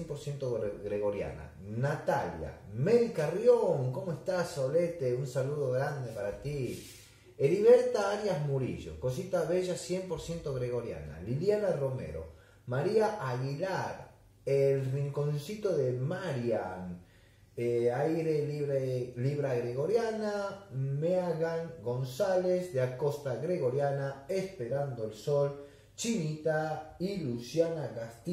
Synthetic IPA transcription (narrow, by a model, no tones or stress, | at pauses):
empoɾsjent̪oɣɾeɣo̞ɾja̰na̰ | nat̪alja̰meðikarjoŋko̞moest̪aso̞let̪eunsaluðoɣɾand̪epaɾat̪i | eɾiβeɾt̪aaɾjazmuɾḭʒo̰kosit̪aβeʒasjempoɾsje̞nt̪oɣɾeɣo̞ɾja̰na̰liljanaro̞mḛɾo̰ | maɾiaʔaɣilaɾ | elriŋkõnsit̪oðemaɾjaŋ | eajɾeβeliβɾaɣɾeɣoɾjanameaɣaŋɡonsalezd̪eakost̪aɣɾeɣoɾjanaespeɾand̪oelsol | t͡ʃinit̪ailusjanaɣast̪i